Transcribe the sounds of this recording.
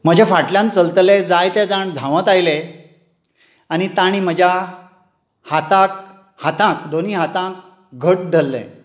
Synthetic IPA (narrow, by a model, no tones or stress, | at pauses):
məd͡ʑʱafaʈljãnt͡səlt̪led͡zajt̪jad͡zaɳd̪ʱãʋə̃t̪ajle | añit̪aɽ̃im̤əd͡ʑʱja | hat̪ãk̚ | hat̪ãkd̪oniːɦat̪ãk̚ | ɡʱəʈ̚d̪ʱəlːḛ̃